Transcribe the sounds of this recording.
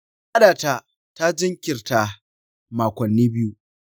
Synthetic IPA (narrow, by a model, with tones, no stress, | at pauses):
ʔa˦ɗaː˨ta˦ | ta˦d͡ʒɪ˦ŋkʲɪ˨rta˨ | maː˨kʷɐ˨nːiː˦bɪ˦ju˦ʔ